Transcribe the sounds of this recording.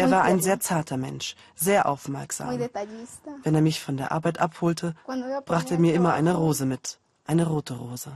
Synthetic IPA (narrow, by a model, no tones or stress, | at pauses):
ʔeːɐvaːʔa̰ɪnzeːɐt͡saɐtʰɐmɛ̰nʃ | z̥eːɐʔa̰ʊfmɛɐkz̥a̰ːm | vɛneːɐmɪçfɔndeːɐʔa̰ɐbaɪtʔa̰phoːltʰəb̥ʁaːχtəeːɐmiːɐɪmɐʔa̰ɪnəʁoːzəmɪt | ʔaɪnəʁoːtʰəʁoːzə